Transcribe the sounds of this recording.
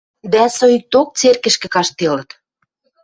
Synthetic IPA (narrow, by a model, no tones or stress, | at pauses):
d̪æsojit̪ok̚t͡serkə̆ʃkɘ̆kɑʃt̪elə̆t̪